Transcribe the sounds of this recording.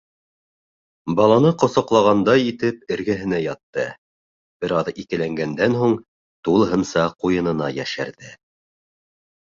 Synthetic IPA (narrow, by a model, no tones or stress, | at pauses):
bɑlˠɑnɤqŏsɑ̆qlˠɑʁɑnd̪ɑjit̪ɘp̚ɘ̆ɾɡæɦɘ̆næjɑt̪ːɤ | b̥ɘ̆ɾɑðikɘ̆læŋɡænd̪ænɦuɴ | t̪ulˠɦɤnsɑqujɤ̆nɤ̆nɑjæʃæ̰ɾðɘ